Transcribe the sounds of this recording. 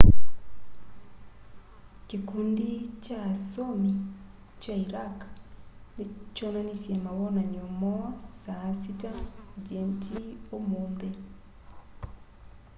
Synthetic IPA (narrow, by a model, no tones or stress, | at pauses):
kikundit͡ʃasomi | t͡ʃaiɾak | nit͡ʃɔnanisjemaβɔnaɲomɔasasitad͡ʒentiomunde